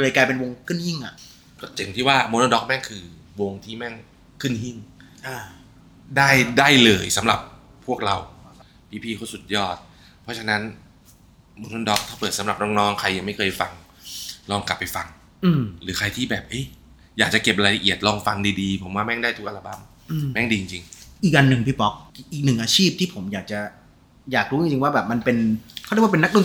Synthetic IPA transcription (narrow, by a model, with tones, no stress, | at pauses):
lɯː˧jkaː˧jpe˧nwo˧ŋkʰɯ˥˩nhi˥˩ŋʔa˨˩ʔ | kɔ˥˩t͡ɕe˨˩ŋt̪ʰiː˥˩waː˥˩moː˧noː˧˥dɔː˦˥k̚mɛ˥˩ŋkʰɯː˧ | wo˧ŋt̪ʰiː˥˩mɛ˥˩ŋ | kʰɯ˥˩nhi˥˩ŋ | ʔa˧˩ | daː˥˩jdaː˥˩jlɤː˧jsa˩˦mɾa˨˩p̚ʰː | u˥˩ək̚ɾa˧w | pʰiː˦˥˩pʰiː˥˩kʰuː˥˩su˨˩t̪̚jɔː˥˩t̪̚ | pʰɔ˦˥t͡ɕʰa˧na˦˥n | mo˧noː˧˥˩dɔː˦˥k̚t̪ʰaː˥˩pɤː˨˩t̪̚sa˨˦mɾa˨˩p̚nɔː˧˥˩ŋnɔː˦˥ŋkʰa˧jːa˨˩ŋma˥˩jkʰɤː˧jfa˧ŋ | lɔː˧˩ŋka˨˩pːa˧jfa˧ŋ | ʔɯː˧mɾɯː˨˦kʰa˧jt̪ʰiː˥˩bɛː˨˩p̚ʔɤ˦˥˩j | jaː˨˩k̚t͡ɕa˨˩ke˨˩p̚ɾaː˧la˧ʔi˨˩ət̪̚lɔː˧ŋfa˧ŋdiː˧diː˧pʰo˩˦mwaː˥˩mɛ˥˩ŋdaː˥˩jt̪u˦˥k̚ʔa˧a˧ba˧˥m | ʔɯ˧˩˧mɛ˥˩ŋdiː˧t͡ɕi˧ŋt͡ɕi˧ŋʔi˨˩k̚ʔa˧nːɯ˨˩ŋpʰiː˧˩pɔ˦˥k̚k̚ʔiː˨˩k̚nɯ˨˩ŋʔaː˧t͡ɕʰiː˥˩p̚t̪ʰiː˥˩pʰo˩˦mjaː˨˩k̚t͡ɕa˨˩ | jaː˨˩k̚ɾuː˦˥t͡ɕi˧ŋt͡ɕi˧ŋwaː˥˩bɛː˨˩p̚ma˧npe˧nk̪ʰːwa˥pe˧n̚ː˦˥nu˥˨˩